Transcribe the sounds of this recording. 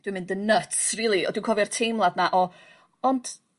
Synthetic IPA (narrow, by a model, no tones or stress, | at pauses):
d̥wɨmɪ̃ndənətsriːlˠiɔ̰dwɨkʰɔvɛrtʰejmlˠadnaʔɔ | ɔnd̥